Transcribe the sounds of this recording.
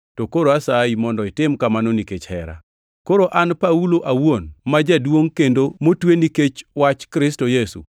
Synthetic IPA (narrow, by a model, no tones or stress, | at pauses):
tokoɾoasaimɔndɔɪtɪmkamanoniket͡ʃhɛ̰ɾa̰ | koɾoʔanpauloʔawonmad͡ʒadwoŋkendomotweniket͡ʃwat͡ʃkɾɪstojesṵ